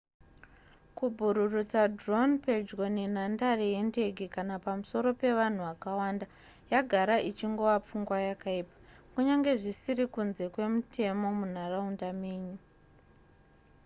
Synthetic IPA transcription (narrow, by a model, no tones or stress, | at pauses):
kubʱuɾurut͡sadronped͡ʒɡo̞nin̤andareje̞nde̞ɡʱikanapamuso̞ɾo̞pe̞ʋan̤uʋakawaːnda | jaɡʱaɾaʔit͡ʃiŋɡo̞ʋap͡fuŋɡwajakaiːpḁkuɲaŋɡe̞ʐisiɾikunze̞kwe̞mutʰe̞mo̞mun̤araundame̞ːɲu